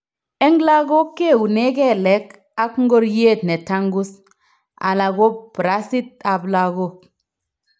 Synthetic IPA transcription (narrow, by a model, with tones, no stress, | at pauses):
e˦ŋɡla˦ɡo˦kːe˦˨u˨ne˦kɛ˦˨lɛ˦k | a˦kŋ˦ɡo˦ɾje˦˨t̪ne˨ta˦ŋɡu˦s | a̰˨la˨ɡo˦b̥ɾa˦si˦t̪̚a˨bla˨ɡo˦˨k̚